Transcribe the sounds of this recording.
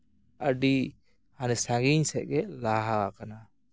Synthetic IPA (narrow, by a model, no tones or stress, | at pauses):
əɖi | hanisaŋɡiɲsɛʔ̚ɡɛlaɦaakana